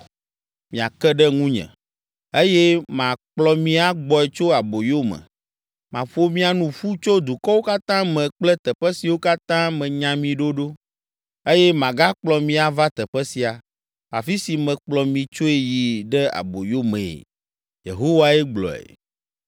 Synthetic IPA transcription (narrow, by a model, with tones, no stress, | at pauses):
mĩ˨a˨kɛ˦ɖɛ˦ŋũ˦ɲɛ̰̃˨ | e˦jɛ˦mã˨k͡plɔ˨mĩ˦a˦ɡ͡bɔ˨ɛ˨t͡ʃo˦a˨bo˨jo˦mɛ̰̃˨ | mã˨ɸo˦mĩ˦a˨nũ˨ɸu˦t͡ʃo˦d̪u˨kɔ˦wo˦ka˦t̪ã˦mɛ̃˨k͡plɛ˦t̪ɛ˨ɸɛ˦si˨wo˦ka˦t̪ã˦mɛ̃˨ɲã˨mĩ˨ɖo˦ɖo˦ | e˦jɛ˦mã˨ɡa˦k͡plɔ˨mĩ˦a˨va˦t̪ɛ˨ɸɛ˦si˨a˨ | fa̰˨fi˦si˨mɛ̃˨k͡plɔ˨mĩ˨t͡ʃo˦e˦ji˨ɖɛ˦a̰˨bo˨jo˦mɛ̃˨ḛ˨ | jḛ˨ɦo˦wa˨ɛ˦ɡ͡blɔ̰˨ɛ̰˨